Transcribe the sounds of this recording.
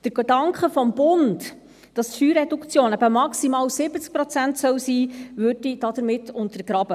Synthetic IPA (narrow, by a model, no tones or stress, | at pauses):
d̥əɾɡ̥edɑŋkχəfɔmbʊnt | d̥ɑstfyːɾɛdukt͡sjoːnæbəmɑksimɑːwsɪbət͡sk̚pɾɔt͡sæntsœwsiːvʉɾd̥id̥ɑd̪əɾmɪtʰːʊntəɾɡ̥ɾɑbə